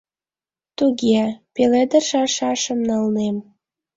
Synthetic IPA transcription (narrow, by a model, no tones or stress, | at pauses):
t̪uɣepeled̪əʃɑʃɑʃəmnɑlnem